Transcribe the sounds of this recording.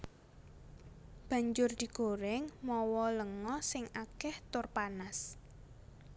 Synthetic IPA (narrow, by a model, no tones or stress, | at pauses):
b̥a̤ɲd͡ʒʊrd̪̥i̤ɡ̥oɾɪŋmɔwɔləŋɔsɪŋʔakɛht̪ʊrpanas